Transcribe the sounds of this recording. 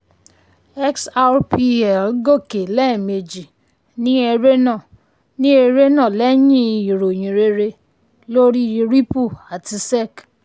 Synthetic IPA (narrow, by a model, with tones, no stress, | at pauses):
ɛ˦ksa˦ɾpi˧ɛ˨lɡo˦˨ke˨lɛ˦˨me˨d͡ʒi˨ | nĩ˦e˧ɾe˦nã˦˨ | nĩ˦e˧ɾe˦nã˦˨lɛ˦j̃ĩ˦˧˨i˨ɾo˨j̃ĩ˨ɾe˧ɾe˧ | lo˦ɾi˦i˧ɾi˦pu˦˨a˨ti˧sɛ˦˨k